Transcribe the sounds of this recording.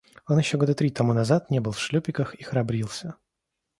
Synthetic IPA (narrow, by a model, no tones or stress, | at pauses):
o̞njɪɕːoɡo̞d̪ət̪ɾʲit̪ɐmunɐzat̪nʲebɨlˠfʂlʲɵpʲɪkəxixɾɐbɾʲilˠsʲə